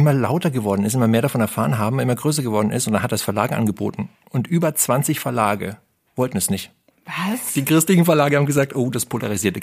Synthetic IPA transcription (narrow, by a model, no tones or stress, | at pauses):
ɪmɐla̰ʊtɐɡəvɔɐdn̩ɪstɪmɐmeːɐɾafɔnɛɐfaːʁənɦaːbm̩ʔɪmɐɡʁøːs̬ɐɡəvɔɐdn̩ʔɪ̰stʊntd̥anhat̚d̥asfɛɐlaːɡəʔa̰nɡəbo̰ːtn̩ | ʔʊntʔyːbɐt͡sv̥ant͡sɪçfɛɐlaːɡə̰ | vɔltn̩snɪçt | vasd̥iːkʁ̥ɪstlɪçn̩fɛɐlaːɡəhaːm̩ɡəzaːk̚tʔoːd̥aspʰolʔa̰ʁiziːɐtə